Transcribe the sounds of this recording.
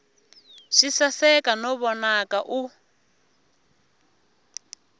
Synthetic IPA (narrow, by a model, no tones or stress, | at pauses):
ʂisasɛkanɔβɔnakaʔu